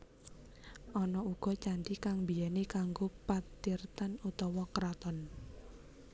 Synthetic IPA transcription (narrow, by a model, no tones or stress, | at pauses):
ʔɔnɔuɡ̥ɔ̤t͡ʃand̪ikaŋbijanekaŋɡopat̪irt̪anut̪ɔwɔkɾat̪ɔn